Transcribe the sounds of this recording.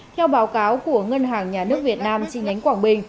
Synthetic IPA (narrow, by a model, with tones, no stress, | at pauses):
t̪ʰɛ˧wɓaː˨˦wkaː˨˦wku˧˩əŋə˧nɦaː˨˩ŋɲaː˨˩nɨ˦˥ək̚vi˨˩ət̚naː˧mt͡ɕḭ˧˩ɲa˨˦jŋ̟kwaː˧˩ŋɓï˧ŋ̟